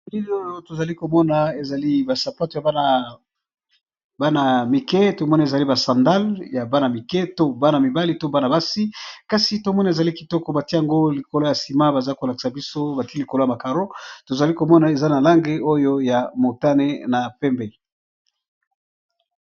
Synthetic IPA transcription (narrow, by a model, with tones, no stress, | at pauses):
di˦o˦jo˦to˨za˨li˦ko˨mɔ˦na˨e˨za˨li˦ba˨sa˨pa˦to˨ja˨˦˨ | ba˦na˨mi˨ke˦to˨mɔ˦na˨e˨za˨li˦ba˨sã˨nda˦lja˨ba˦na˨mi˨ke˦to˦ba˦na˨mi˨ba˦li˦to˦ba˦na˨ba˦si˦ka˦si˨to˨mɔ˦na˨e˨za˨li˦ki˨tɔ˦kɔ˨ba˨tie˦ja˨ŋɡo˦li˨ko˨lo˦ja˨si˨ma˦ba˨za˦ko˨la˨ki̥˨sa˨bi˦so˦ba˨ti˦li˨ko˨lo˦a˨ma˨ka˨ʁo˦to˨za˨li˦ko˨mɔ˦na˨e˨za˦na˨la˦ŋɡe˦o˦jo˦ja˨mo˨ta˦ne˦na˨pɛ˦mbe˨